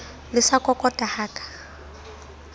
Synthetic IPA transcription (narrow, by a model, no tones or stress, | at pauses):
lɪsakʼɔkʼɔtʼahaːkʼḁ